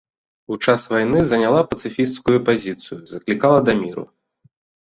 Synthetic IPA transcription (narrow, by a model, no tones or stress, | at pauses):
ut͡ʂasvajnɨzɐnʲalˠapɐt̪sɨfʲist̪skujupazʲit̪sɨjuzɐklʲikalˠɐd̪ɐmʲiɾṵ